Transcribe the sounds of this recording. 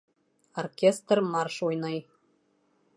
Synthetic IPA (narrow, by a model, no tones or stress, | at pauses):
orkʲest̪rmarʃujnɤj